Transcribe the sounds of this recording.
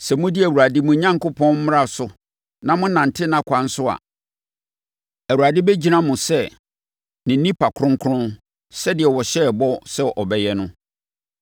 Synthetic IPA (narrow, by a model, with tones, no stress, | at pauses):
sɛ˨mʊ̃˦dɪ˦æ˨u˨a˨dɪ˦mʊ̃˨˦ɲã˦ŋkʊ˦pʰɔ̃˦n̩˦m˦ɾa˦sʊ˨ | nã˨mʊ̃˦nã˨n̩˨tʰɪ˦nã˦kʷʰã˨n̩˦sʊ˦a̰˨ | æ˨wu˨ɾa˨dɪ˦bɛ˦d͡ʑi˦nã˦mʊ̃˨sɛ˦˨ | nɪ̃˨˦nĩ˦pa˨kʰʊ̃˦ŋ˦kʰʊ˦ɾʊ̃˦n | sɛ˦dɪ˨ɛ˨wɔ˨ɕɛ˦˨bɔ˦sɛ˦ʔɔ˨bɛ˦jɛ˦nʊ̃˦